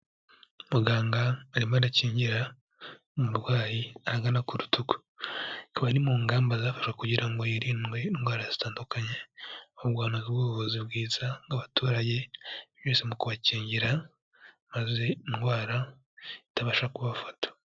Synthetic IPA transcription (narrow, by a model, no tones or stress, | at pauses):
muɡaːŋɡaːɾimadaciːɲɟiɾa | muɾwaːjiaɡanakuɾutuko̥ | kaβaɾimuːŋɡaːmbazaːfḁʃkwakuɟiɾaŋɡo̞jiɾinɡwe̞inɡwaːɾazitaːndukaɲe̞ohuɡwaːnazibɡuːβoβozibɡiːzaŋɡaβatuːɾaɟe̞βjoːsemukuβaciːɲɟiɾa | maze̞inɡwaːɾa | itaβaʃɾakuβafatḁ